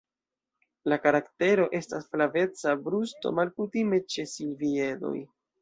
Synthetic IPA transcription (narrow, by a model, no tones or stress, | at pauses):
lakaɾakte̞ɾo̞ʔe̞stasflave̞t͡sabɾusto̞̰malkutime̞t͡ʃe̞silvie̞do̞̰j